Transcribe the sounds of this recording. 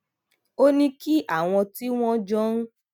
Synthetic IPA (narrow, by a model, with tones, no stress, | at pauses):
o˦nĩ˧ki˦ʔa˦˨w̃ɔ̃˧ti˦w̃ɔ̃˦d͡ʒɔ̃˦n̩˦